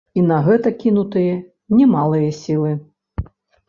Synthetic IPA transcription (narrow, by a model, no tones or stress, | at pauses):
inɐɣɛt̪ɐkʲinut̪ɨjɐ | nʲɛmalˠɨjɐsʲilˠɨ